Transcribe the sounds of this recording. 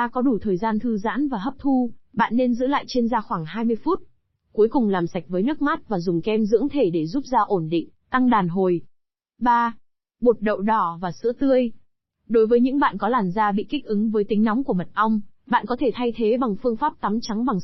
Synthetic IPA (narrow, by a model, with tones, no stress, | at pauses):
aː˧kɔ˨˦ɗu˧˩t̪ʰəː˨˩jzaː˧nt̪ʰɨ˧za̰ː˧˥nvaː˨˩ɦə˦˥p̚t̪ʰu˧ɓa̰ː˧˨nːe˧nzɨ̰˧˥la̰ː˧˨jt͡ɕe˧nzaː˧xwaː˧˩ŋhaː˧jmɨ˧əjfu˦˥t̚ | ku˨˦əjkʊ˨˩ŋ͡mlaː˨˩msa˨˩jk̟̚vəː˨˦jnɨ˦˥ək̚ma˦˥t̚vaː˨˩zʊ˨˩ŋ͡mkɛ˧mzɨ̰˧˥əŋt̪ʰe˧˩ɗe˧˩zu˦˥p̚zaː˧ʔo˧˩nɗḭ̈˧˨ŋ̟t̪a˧ŋɗaː˨˩nɦo˨˩j | ɓaː˧ | ɓo˨˩t̚ɗə̰˧˨wɗɔ˧˩vaː˨˩sɨ̰˧˥ət̪ɨ˧əj | ɗo˨˦jvəː˨˦jɲɨ̰˧˥ŋɓa̰ː˧˨nkɔ˨˦laː˨˩mzaː˧ɓḭ˧˨ki˦˥k̚ʔɨ˨˦ŋvəː˨˦jt̪ï˨˦ŋ̟n˨˦wŋ͡mku˧˩əmə˨˩t̚ʔə˧wŋ͡mɓa̰ː˧˨nkɔ˨˦t̪ʰe˧˩t̪ʰa˧jt̪ʰe˨˦ɓa˨˩ŋfɨ˧əŋfaː˦˥p̚t̪a˨˦mt͡ɕa˨˦ŋɓa˨˩ŋ